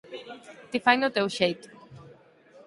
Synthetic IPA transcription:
t̪ifajnʊt̪ewʃejt̪ʊ̥

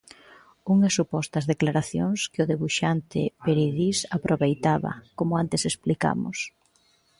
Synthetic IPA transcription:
uŋɐsːupɔst̪ɐzðeklaɾaθjo̰ŋskɪʊðeβuʃant̪ɪ̰peɾiðisapɾʔoβejt̪aβɐ̰komʊant̪ɪsesplika̰mʊ̰s

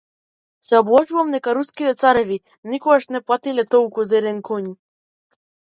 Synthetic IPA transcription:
sɛɔblˠɔʒuvamd̪ɛkaɾuskit̪ɛt̪saɾɛvi | nikɔɡaʃnɛplˠat̪ilɛt̪ɔlˠkuzɛɾɛŋkʰɔɲ

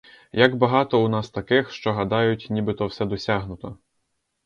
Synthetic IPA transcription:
jɐɡbɐɦɑt̪ɔunɑst̪ɐkɪxʃt͡ʃɔɦɐd̪ɑjʊtʲnʲibɪt̪ɔwsɛd̪ɔsʲaɦnʊt̪ɔ

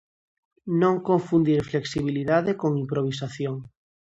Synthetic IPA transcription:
nõŋkõɱfund̪iɾfleksiβ̞iliðaðekoŋimpɾoβ̞is̬aθjoŋ

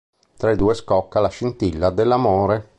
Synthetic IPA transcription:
t̪ɾaed̪uːeskɔkːalaʃint̪ilːad̪elːamoːɾe

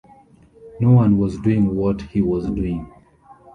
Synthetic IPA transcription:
nowʌ̃nwɔzduɪ̃ŋwɔthiwɔzduɪ̃ŋ

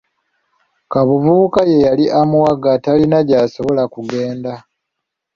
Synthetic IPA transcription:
kaβuβuːkaje̞jaliʔamuwaɡatalinaɟaːso̞βo̞lakuɡe̞ːnda

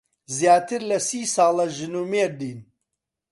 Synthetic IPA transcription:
zjaːt̪ʰɨɾlɐsiːsɑːlɐʒɨnuːmeːɾd̪iːn

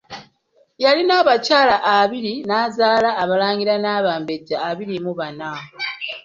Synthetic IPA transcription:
jalinaːβacaːlaʔːβiɾinaːzaːlaːβalaːŋɡiɾanaːβaːmbeɟːaːβiɾimuβana

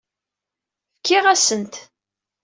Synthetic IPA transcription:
fkːɪʁæsənt̪

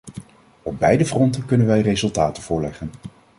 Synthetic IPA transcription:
ɔb̚bɛjdəvrɔntəkɵnənʋɛjrejzɵlˠtaːtəv̥ʊːɹlɛχən

